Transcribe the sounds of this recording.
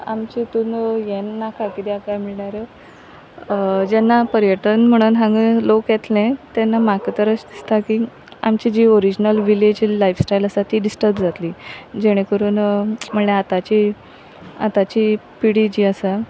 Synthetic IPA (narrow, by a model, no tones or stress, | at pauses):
a̰mt͡ɕit̪unjɛnːakakit̪iakajmiɭɳaɾə | d͡ʑɛnːapəɾjəʈ̪ənm̤əɽ̃uːnɦãŋɡəlokjɛt̪lẽt̪ɛnːamakət̪əɾəsd̪ist̪aki | a̰mt͡ɕid͡ʑiːoɾid͡ʑnəlʋiled͡ʑilajfsʈajləsat̪iːɖisʈəɾbd͡zʱat̪liːd͡ʑeɽ̃ẽkəɾuːnm̤əɳleat̪at͡ɕi | a̰t̪at͡ɕiːpiɽid͡ʑiːəsa